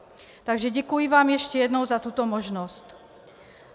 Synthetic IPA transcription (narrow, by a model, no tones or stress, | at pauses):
t̪aɡʒɛɟɛkujiʋaːmjɛʃcɛjɛd̪nɔʊzat̪uːt̪ɔmɔʒnɔsc